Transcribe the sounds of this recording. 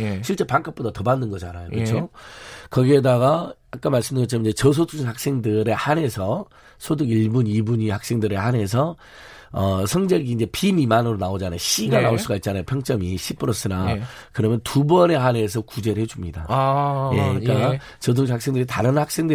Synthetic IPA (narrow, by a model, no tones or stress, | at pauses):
ɕʰiɭt͡ɕ͈e̞paŋk͈ʰap͈̚odatʌbanːɯnɡʌd͡ʑanajokɯt͡ɕʰokʌɡie̞daɡa | ak͈anmaɭs͈ɯmndɯŋɡʌt͡ɕʰɾmiɲd͡ʑe̞t͡ɕʌs̬ʰotʰuɦak̚s͈e̞ŋdɯɾehane̞sʰʌ | sʰoduɡiɭbunibuɲihak̚s͈e̞ŋdɯɾehane̞s̬ʰʌ | ʌsʰʌŋd͡ʑeɭɡiːnd͡ʑe̞pimimanɯɾonaod͡ʑanajoɕ͈iɡanaoɭs͈uɡait̚t͡ɕ͈anajopʰjʌŋt͡ɕ͈ʌmiɕʰip͈ɯɾʌs͈ɯnakɯɾʌmjʌntubʌne̞ɦane̞s̬ʰʌkud͡ʑe̞ɾɯɭɦed͡ʑumɲidaje̞ik͈a | t͡ɕʌt̬ʰuɦak̚s͈e̞ŋdɯɾitaɾɯnhak̚s͈e̞ŋdɯ